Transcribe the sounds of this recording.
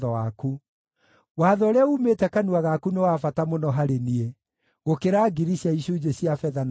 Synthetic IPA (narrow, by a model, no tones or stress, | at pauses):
ðɔaku | waːðɔɾaumetɛkanuaɣakunewafatamonɔɦaɾenie | ɣokeɾaːɡiɾiɕjaiɕud͡ʑeɕjafɛðan